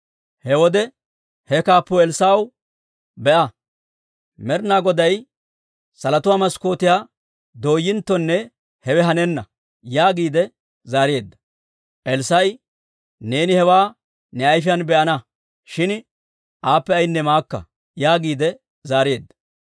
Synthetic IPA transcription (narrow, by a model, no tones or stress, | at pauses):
hɛwɔd̪ɛ | hɛkaːpːɔɛlsaːw | bɛʔɐ | mɛɾnaːɡɔd̪ɐj | sɐlɐt̪ʊwaːmɐsko̞ːt̪ɪjaː | d̪o̞ːjːɪnt̪ːɔnːɛ | hɛwɛɦɐnɛnːɐ | jaːɡiːd̪ɛ | zaːɾɪje̞ːd̪ːɐ̥ | ʔɛlsɐj | ne̞ːnɪhɛwaː | nɛɐjf̬ɪjɐnbɛʔɐnɐ | ʃɪn | ʔaːpːɛɐjnːɛmaːkːɐ̰ | jaːɡiːd̪ɛ | zaːɾɪje̞ːd̪ːɐ̥